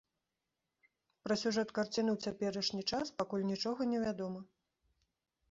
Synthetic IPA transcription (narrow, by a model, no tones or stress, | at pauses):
pɾɐsʲuʐɛt̪kart͡sʲinɨwt͡sʲapʲɛɾɐʂnʲit͡ʂaspakulʲnʲit͡ʂɔɣɐnʲɛvʲad̪ɔmɐ